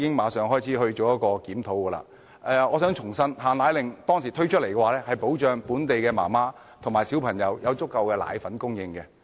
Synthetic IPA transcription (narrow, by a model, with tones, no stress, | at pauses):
kɪ˥ŋmaː˨˧sœː˨ŋɦɔː˥jt͡sʰiː˨˥ɦɵ˧ɥt͡ʃoː˨wjɐ˥t̚kɔː˧kiː˨˥mt̪ʰo˨˥wkɛː˧la̰ː˧˥ | ɛː˨˩ɔː˨˧sœː˨˥ŋt͡ʃʰʊ˨˩ŋsɐ˥nɦaː˨˩nlaː˨˥jlɪ˨ŋt̪ɔː˥ŋsiː˨˩t̪ʰɵ˥ɥt͡ʃʰt̚le˨˩kɛː˧waː˨˧lɛː˥hɐ˨jpo˨˥wt͡ʃœː˨ŋpuː˨˥nt̪e˨jkɛː˧ma̰ː˨˩maː˥ | t̪ʰʊ˨˩maː˨˩jsiː˨˥wpʰɐ˨˩ŋjɐ˨˧wjɐ˨˧wt͡sʊ˥kːɐ˨wkɛː˧la̰ː˨˧jfɐ˨˥nkʊ˥ŋjɪ˨˧ŋkɛː˧